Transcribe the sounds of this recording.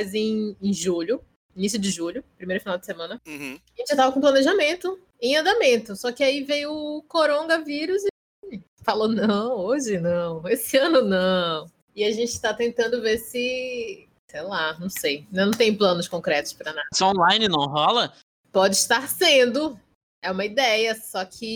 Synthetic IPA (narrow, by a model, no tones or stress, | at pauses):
zẽj̃ẽj̃ʒuʎʊ | inisjʊd͡ʒɪʒuʎʊpɾimejɾɐfinawd͡ʒɪsemɐ̃nɐ̃hʒẽt͡ʃɪʒat̪avɐkõplɐneʒamẽnt̪ʊ | ẽɐ̃nd̪amẽnt̪ʊsɔkɪaivejʊʊkoɾõɡɐviɾʊzɪ | falonɐ̃w̃oʒɪnɐ̃w̃esɪɐ̃nʊnɐ̃ | ɪaʒẽnt͡ʃɪ̥t̪at̪ẽnt̪ɐ̃nd̪ʊveɾsɪ | sejlanɐ̃w̃sejnnɐ̃w̃t̪ẽj̃plɐ̃nʊskõkɾɛt̪ʊ̥ʃspɾɐnad̪sõlaj̃nɪnɐ̃w̃ɦɔlɐ | pɔd͡ʒɪiʃt̪aɾsẽnd̪ʊ | ɛũmɐid̪ɛjɐsɔkʰɪ